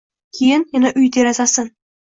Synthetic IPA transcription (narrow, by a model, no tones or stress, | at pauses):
kʲʰejɪnjanaʔʊjd̪eɾazasɪn